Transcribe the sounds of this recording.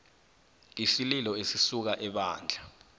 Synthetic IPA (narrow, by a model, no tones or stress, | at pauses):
isililɔesisuk̬aʔɛɓaːnd͡ɮʱa